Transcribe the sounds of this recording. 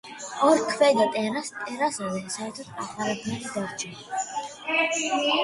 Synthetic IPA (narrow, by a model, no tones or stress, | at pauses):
ɔɾkʰwɛd̪ɔt̪ʼɛɾast̪ʼɛɾasɔdɛnsaɛɾt̪ʰɔt̪ʰmaχaɾɛbnɛlid̪aɾt͡ʃʰʼɛ